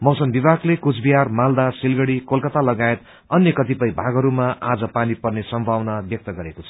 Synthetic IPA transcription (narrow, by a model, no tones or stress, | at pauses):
mʌwsʌnbibʱaɡlekut͡sʰbiɦarmald̪asilɡʌɽikolkʌt̪alʌɡaet̪ | ʌnjʌkʌt̪ipʌjbʱaɡʌɾumaʔad͡zʌpanipʌrnesʌmbʱawnabjʌk̚t̪ʌɡʌɾekot͡sʰʌ̥